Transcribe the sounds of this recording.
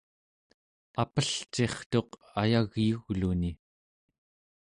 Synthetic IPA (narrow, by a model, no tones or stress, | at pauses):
apəɬt͡ʃe̞χt̪o̞q | ajaɣjuɣluni